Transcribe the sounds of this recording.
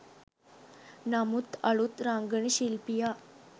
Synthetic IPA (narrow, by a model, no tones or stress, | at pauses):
namut̪aɭut̪ɾaŋɡəɳəɕilpija